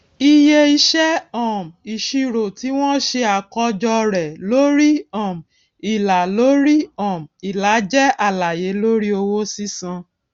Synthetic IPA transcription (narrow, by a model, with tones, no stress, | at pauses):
i˧je˧i˧ʃɛ˦ɔ̃˦˨mi˨ʃi˧ɾo˨ti˨˦w̃ɔ̃˦ʃe˧a˨kɔ˧d͡ʒɔ˧ɾɛ˨lo˨˦ɾi˦ɔ̃˨m˨ | i˨la˨lo˨˦ɾi˦ɔ̃˦˨mi˨la˨˦d͡ʒɛ˦a˨la˨je˨˦lo˦ɾi˦o˧wo˦si˦sã˧